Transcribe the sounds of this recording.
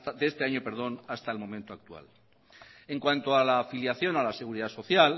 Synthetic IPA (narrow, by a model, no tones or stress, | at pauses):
d̪eest̪e̞aɲope̞ɾð̞o̞nast̪aelmo̞mẽnt̪oak̚t̪ua̰l | e̞ŋkwant̪oalaːfiljaθjo̞nalase̞ɣ̞uɾiðaso̞θjal